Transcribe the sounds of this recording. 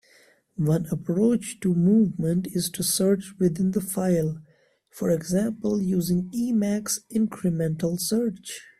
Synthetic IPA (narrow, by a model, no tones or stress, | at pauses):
wʌ̃nəpʰɾoːt͡ʃʈumuːvmə̃nʈɪz̥ʈʰusəɾt͡ʃwɪðɪ̃nd̪əfaɪlˠ | fɔɹɛɡzæ̃mpəljuːzɪ̃ŋiːmæksɪ̃nkʰɹəmɛ̃nʈəlˠsəɹt͡ʃ